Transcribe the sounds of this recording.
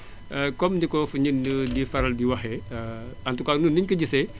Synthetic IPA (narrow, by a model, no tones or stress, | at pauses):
əkɔmdikɔfuɲənədifɐɾɐldiwɐxɛ | ɐntukaːnunːiɲkɔɟisɛ